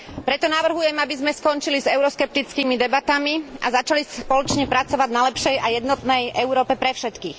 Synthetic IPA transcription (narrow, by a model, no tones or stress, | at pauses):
pɾɛt̪ɔnaʋr̩ɦujɛmabizmɛskɔnt͡ʃilizɛʊɾɔskɛp̚t̪it͡skiːmid̪ɛbat̪amiazat͡ʃalispɔlɔt͡ʃɲɛpɾat͡sɔʋaɟnalɛpʃɛjajɛd̪nɔt̪nɛjɛʊɾɔːpɛpɾɛfʃɛt̪kiːx